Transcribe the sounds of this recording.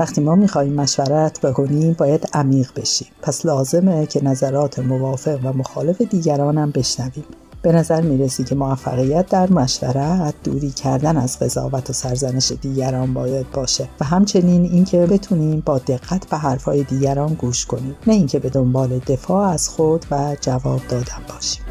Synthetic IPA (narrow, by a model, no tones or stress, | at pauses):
væxt̪iːmɒːmiːxɒːhiːmːæʃvæɾæt̪ʰb̥e̞kʰo̞niːmbɒːjæd̪̥æmiːɣbe̞ʃiːmpʰæslɒːze̞mecʰe̞næzæɾɒːt̪ʰe̞movɒːfe̞ɣvæmo̞xɒːle̞fe̞d̪iːɟæɾɒːnæmbe̞ʃnæviːm | b̥e̞næzæɾmiːɾesiːkʲʰe̞movæfːæ̰ɣijæt̪̚ʰd̪æɾmæʃvæ̰ɾæt̪̚d̪̥uːɾiːcʰæɾd̪ænæzɢe̞zɒ̰ːvæt̪ʰosæɾzæne̞ʃe̞d̪iːɟæɾɒːnbɒːjæd̪̚bɒːʃevæɦæmt͡ʃʰe̞niːniːncʰe̞be̞t̪ʰuːniːmbɒːd̪e̞ɣːæt̪ʰb̥e̞ɦæɾfɒːjed̪iːɟæɾɒːnɡuːʃkʰo̞niːmnæiːŋcʰe̞be̞d̪o̞mbɒːle̞d̪e̞fɒːæz̥xod̪̥væd͡ʒævɒːb̚d̪ɒːd̪ænbɒːʃi̥ːm